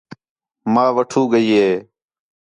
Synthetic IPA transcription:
mãːʋəʈʰuːɡəiːɦeː

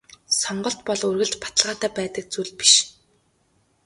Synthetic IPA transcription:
sɔɴɢɞ̆ɬt̪pɔɮɵrɣɘ̆ɮt͡ɕpḁt̪ə̆ɮʁaːt̪æːpæːt̪ə̆k̚t͡suɮpi̥ʃ

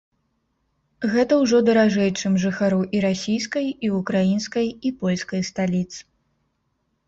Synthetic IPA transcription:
ɣɛt̪ɐwʐɔd̪ɐɾaʐɛjt͡ʂɨmʐɨxaɾuʔiɾasʲijskɐjiukɾajinskɐjipɔlʲskɐjst̪alʲit̪sɨ̥

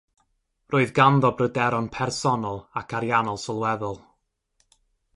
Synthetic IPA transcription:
roːɨðɡanðɔbrədɛɾɔnpʰɛrsɔnɔlˠakʰaɾjanɔlˠsɔlˠwɛðʊlˠ

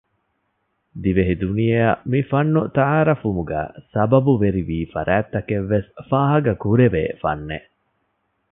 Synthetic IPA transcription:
d̪iʋeɦid̪unijeɐmifɐnːut̪ɐaːɾɐfumuɡæ̰ːsɐbɐbuʋeɾiʋiːfɐ̰ɾæːt̪ːɐkeʋːesfaːɦɐɡɐkuɾeʋḛːfɐ̰nːḛʔ

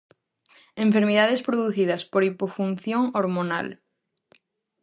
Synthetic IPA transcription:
ẽɱfeɾmiðaðespɾoðuθiðɐspoɾipofunθjoŋoɾmona̰l

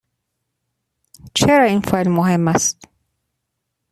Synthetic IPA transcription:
t͡ʃʰeɾɒːinfelmoɦemːæst̪

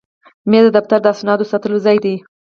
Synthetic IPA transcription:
med̪əd̪aft̪aɾd̪əasnɑd̪osɑt̪əlozɑjd̪i

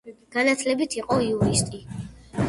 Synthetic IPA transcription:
ɡ̥anat̪ʰlɛbit̪ʰiqʼɔiuɾist̪ʼi

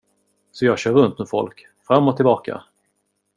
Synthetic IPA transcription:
sɔjɑːɡɕœːɾɵnt̪mɛfɔ̰lk | fɾamːɔt̪ʰɪlbɑːka̰

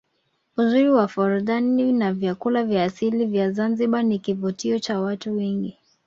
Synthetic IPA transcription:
uzuɾiwafɔɾuðaninavjakulavjaːsilivjazanziɓanikivutiɔt͡ʃawatuwɛŋɡi

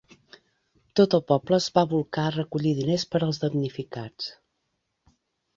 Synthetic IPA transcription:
t̪ot̪əlˠpɔbləːzβaβulˠkarəkuʎiðinespəɾəlˠzðəmnifikat͡s

